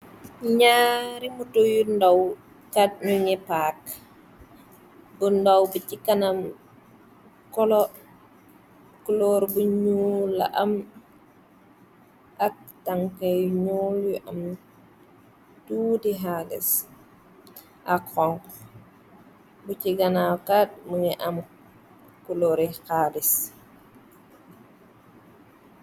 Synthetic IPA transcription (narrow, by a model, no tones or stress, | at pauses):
ɲaːɾimutojundaw | kadnuɲɛpak | bundawbucikːanam | kɔlɔ | kulɔɾbuɲula̰ʔam | ʔak̚taŋkajɲuljuʔam | tuːdiɦalɛ̰s | ʔakxɔŋk | buciɡanawkat̚məŋɛʔam | kuloɾixaːlis